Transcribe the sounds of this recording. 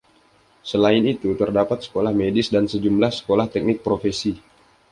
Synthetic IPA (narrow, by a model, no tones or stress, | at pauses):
səlaɪnit̪ut̪ərdapat̪̚sə̥kolahmedɪsdansəd͡ʒumlahsə̥kolaht̪ɛk̚nɪk̚pɾofesi